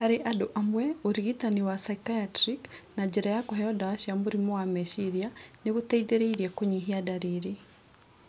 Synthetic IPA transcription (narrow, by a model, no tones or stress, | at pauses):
haɾeʔadoʔamwɛoɾiɣitaniwasaikajatɾiknad͡ʒeɾajakoɦɛɔdawaʃiamuɾimowameʃiɾjaneɣutɛiðeɾeiɾiɛkoɲiɦiadaɾiɾi